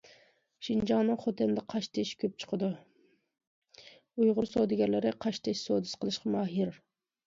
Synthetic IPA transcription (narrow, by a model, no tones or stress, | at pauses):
ʃind͡ʒɑŋnɨŋχot̪ɪnd̪ɪqʰɑʃt̪ʰɪʃkʲʰøp̚t͡ʃʰə̥qʰəd̪u | ujʁʊɾsod̪ɪɡʲɛɾlɪɾɪqʰɑʃt̪ʰɪʃsoːd̪ɨsqʰəlˠɨʃqɑmɑːɦiɾ